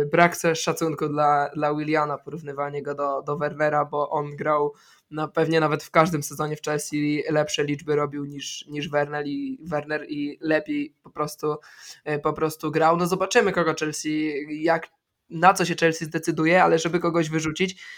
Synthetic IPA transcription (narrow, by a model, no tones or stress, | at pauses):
bɾakt̪ɛʂat̪suŋkud̪lad̪lawilʲjanapɔɾuvnɘvaɲɛɡɔd̪ɔd̪ɔvɛɾnɛɾabɔʔɔnɡɾaw | napɛvɲɛnavɛt̪fkaʐd̪ɘmsɛzɔɲɛft͡ʂɛlsʲilɛpʂɛlʲid͡ʐbɘɾɔbʲiwɲiʂɲiʐvɛɾnɛɾivɛɾnɛɾilɛpʲjejpɔpɾɔst̪upɔpɾɔst̪uɡɾawnɔzɔbat͡ʂɘmɘkɔɡɔt͡ʂɛlsʲijak | nat̪sɔɕɛt͡ʂɛlsʲizd̪ɛt̪sɘd̪ujɛalɛʐɛbɘkɔɡɔʑvɘʐut͡ɕit͡ɕ